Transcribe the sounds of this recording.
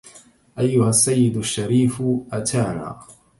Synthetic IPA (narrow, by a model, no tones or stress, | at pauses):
ʔajːʊhasːajːɪd̪aʃːaɾiːfʔat̪ʰaːna̰ː